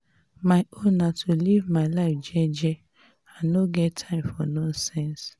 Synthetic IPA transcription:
maɪõnːatʰulivmaɪlaɪfd͡ʒɛd͡ʒɛ | annoɡɛttʰãɪ̃mfɔnɔ̃nsɛ̃ns

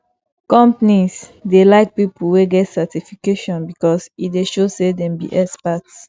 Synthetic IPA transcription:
kɔ̃mpnisdelaɪk̚pipulweɡɛtsɛtifikeʃɔ̃nbikɔsit̚deʃosedɛ̃mbḭʔɛspat

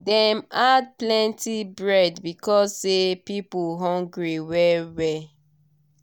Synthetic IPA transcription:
dɛ̃mad̚plɛ̃ntibɹɛdbikɔssepipuɦɔ̃ŋɡɹiwɛwɛ

